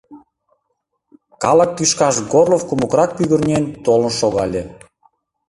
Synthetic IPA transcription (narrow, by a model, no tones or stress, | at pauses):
kɑlɑk̚kyʃkɑʃɡorlofkumokrɑk̚pyɣə̆rnʲent̪olnʃoɣɑlʲe